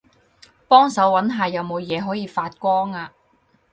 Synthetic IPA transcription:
pɔː˥ŋsɐ˨˥wwɐ˨˥nɦaː˨jɐ˨wmo˨˧wjɛː˨˧ɦɔː˨˥jiː˨˧faː˧t̚kʷɔː˥ŋaː˧

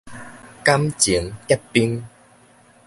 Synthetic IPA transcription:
ka˦mt͡ɕi˨˦ə˦ŋkɛ˦˥pːi˦ŋ

